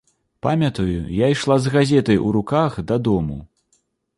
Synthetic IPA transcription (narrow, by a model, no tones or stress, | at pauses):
pamʲɐt̪ɐjujajʂlˠazɣazʲɛt̪ɐjuɾukaxd̪ɐd̪ɔmu